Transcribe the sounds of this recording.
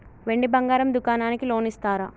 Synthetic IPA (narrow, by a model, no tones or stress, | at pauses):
ʋe̞ɳɖibɐŋɡaːɾɐmd̪ukaːnaːnikilo̞ːnist̪aːɾa